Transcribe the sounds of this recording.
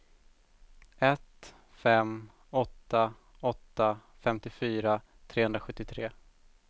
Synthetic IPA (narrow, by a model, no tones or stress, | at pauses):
ɛt̪ | fɛm | ɔt̪ːa | ɔt̪ːa | fɛmt̪ɪfyːɾa | t̪ʰɾeːhɵnɾaɧɵt̪ːɪt̪ʰɾeː